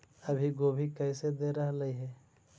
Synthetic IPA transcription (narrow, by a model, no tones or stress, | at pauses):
ɐbʱiɡoːbʱikɛːɪsed̪eɾɐɦlɐiɦɛː